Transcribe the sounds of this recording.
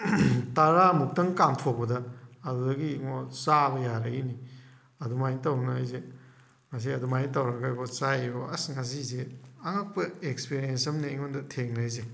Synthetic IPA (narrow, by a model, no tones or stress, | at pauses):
taɾamuk̚tɐŋkamtʰok̚pɐdɐːdudɐɡiŋɔsabɐjaɾɐini | ɐdumajntɐwnaajze | mɐs̬iɐdumajntɐwɾɐɡajɡɔsajoɐsŋas̬izeɐŋak̚pɐekspiɾijensɐmneiŋondɐtʰeŋnaajze